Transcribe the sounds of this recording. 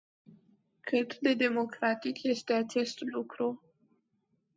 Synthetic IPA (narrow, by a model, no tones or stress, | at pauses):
kʰɨt̪d̪e̞d̪e̞mo̞kɾat̪ikje̞st̪e̞at͡ʃe̞st̪lukɾu